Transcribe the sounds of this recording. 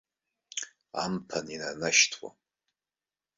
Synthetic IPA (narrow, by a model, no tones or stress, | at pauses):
a̰mpʰaninanaʃtʰwa̰